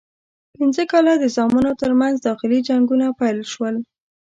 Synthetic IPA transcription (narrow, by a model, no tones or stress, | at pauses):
pinzəkɑlad̪əzɑmunot̪əɾmanzd̪ɑxɪlid͡ʒaŋɡunapajlʃwəl